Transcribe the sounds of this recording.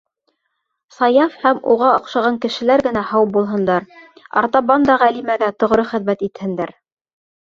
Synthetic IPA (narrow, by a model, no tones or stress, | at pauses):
sɑjɑfhæmṵʁɑŏqʃɑʁɑŋkɘ̆ʃɘ̆læɾɡɘ̆næhɑwp̚bulˠɦɤ̆nd̪ɑɾɑ̰ɾt̪ɑβɑnd̪ɑʁælimæɡæt̪ŏʁɾɤχɘ̆ðmæt̪it̪hɘ̆nd̪æɾ